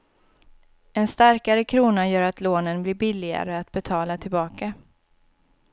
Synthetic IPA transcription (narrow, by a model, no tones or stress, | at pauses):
ɛnst̪aɾkaɾəkʰɾuːnajœːɾat̪loːnənblɪɾbɪlːɪɡa̰ɾəat̪bɛt̪ʰɑːlat̪ʰɪlbɑːka